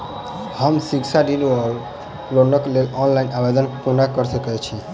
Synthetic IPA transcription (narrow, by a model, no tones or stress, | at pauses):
həmsikt͡ʃʰaɖinə | lonəklelɔnlainabed̪ənpunakəɾsəkɛt͡ʃʰi